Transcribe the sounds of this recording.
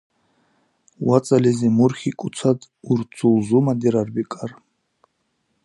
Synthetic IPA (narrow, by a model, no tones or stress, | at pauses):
wat͡sʼalɛzimuɾχikʼut͡sʰad̪ʼ | uɾt͡sʰulzumad̪iɾarbikʼar